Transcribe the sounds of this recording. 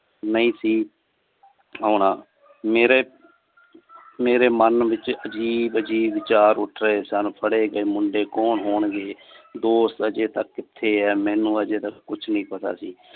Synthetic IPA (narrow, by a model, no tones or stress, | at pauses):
nəĩːsiː | ɦoːɳaː | meːɾeː | meːɾeːmənʋɪt͡ʃəd͡ʒiːbəd͡ʒiːbʋɪt͡ʃaːɾʊʈʰɾəeːsaːnũːpʰəɽeːɡəeːmʊɳɖeːkɔːnɦoːɳɡeːd̪oːst̪əd͡ʒeːt̪əkːɪt̪ʰːeːɛːmɛ̃ːnũːəd͡ʒeːt̪əkːʊt͡ʃʰnəĩːpət̪a̰ːsiː